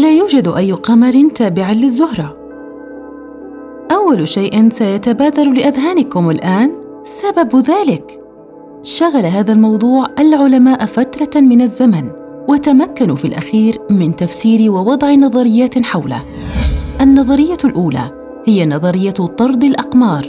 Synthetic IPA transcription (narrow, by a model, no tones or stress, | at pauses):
laːjuːd͡ʒad̪ʔajːʊqɑmɑɾˤɪnt̪aːbɪʕalɪzːʊhɾˤɑ | ʔawːalʃajʔɪnsajat̪abaːd̪aɾulɪʔaðɦaːnɪkʊmɪlʔaːn | sababðaːlɪk | ʃaɣalaɦaːðalmɑwd̪ˤuːʕʔalʕʊlamaːʔfat̪ɾˤɑmɪnazːaman | wɪt̪amakːanufilʔa̰xiːɾmɪnt̪afsiːɾɪwɪwɑd̪ˤʕɪnɑðˤɑɾɪjːaːt̪ħawla̰ | ʔanːɑðˤɑɾɪjːalʔuːla̰ | hɪjanɑðˤɑɾɪjːat̪ˤɑɾˤd̪ˤɪlʔɑqmɑːɾˤ